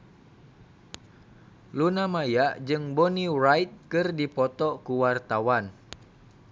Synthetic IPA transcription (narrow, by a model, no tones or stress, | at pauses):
lunamajaʔd͡ʒɨŋbɔnirajt̪̚kɨrdipɔt̪ɔkuwart̪awan